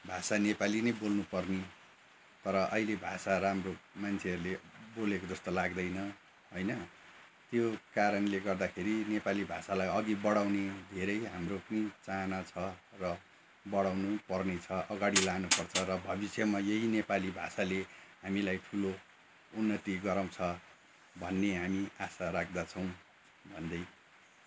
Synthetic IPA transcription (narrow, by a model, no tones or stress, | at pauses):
bʱasanepalinʌjbolnupʌrni | t̪ʌɾʌʔʌilebʱasaɾaɦamromant͡sʰeɦʌɾulebolekod͡zʌst̪olaɡd̪ʌjnʌ | ɦojnʌ | t̪jokaɾʌnleɡʌrd̪akʰeɾinepalibʱasalajʌɡ̪ibʌɽawned̪ʱeɾʌjɦamropʌnit͡sanat͡sʰʌrʌ | bʌɽawnupʌrnet͡sʰʌʔʌɡaɽilanupʌrt͡sʰʌɾʌbʱʌbisjʌmajeɦinepalibʱa̰saleɦamilajʈʰulo | unːʌt̪iɡʌɾʌmt͡sʰʌ | bʱʌnːeɦamiasarak̚ʰd̪at͡sʰʌw̃ | bʱʌnd̪ʌj